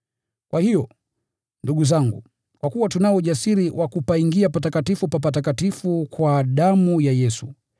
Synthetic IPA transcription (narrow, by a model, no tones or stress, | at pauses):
kwahijɔ | nduɠuzaŋɡṵ | kwakuwatunaɔʄasiɾiwʔakupaiŋɡiapatakatifupap̬at̬akatifukwaɗamujajɛsu